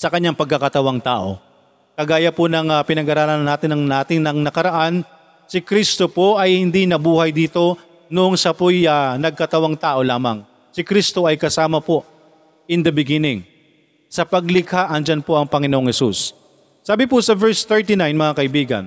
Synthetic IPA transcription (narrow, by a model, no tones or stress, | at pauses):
sɐkɐɲːaŋpɐɡ̚kːɐkɐt̪ɐwaŋt̪a̰ːʔo̞̰ | kɐɡaːjɐponɐŋapɪnɐɡaɾaːlɐnɐnːaːt̪ɪnɐŋnaːt̪ɪnɐŋnɐkɐɾɐʔan | sɪkɾist̪o̞po̞ʔɐjhɪnd̪inɐbuːhɐjd̪iːt̪o̞ | noʔoŋsɐpojanɐɡ̚kɐt̪ɐwaŋt̪aːʔo̞laːmɐ̰ŋ | sɪkɾist̪o̞ʔɐjkɐsaːmɐpo̞ | ʔɪnd̪ɐbɪɡɪnɪŋ | sɐpɐɡlɪkhaʔɐŋd͡ʒanpo̞ʔɐŋpɐŋɪnoʔoŋhɛsusː | aːbɪpʊsɐvɛɹst̪ɛɹt̪inajnmɐŋakɐʔɪbiːɡɐ̰n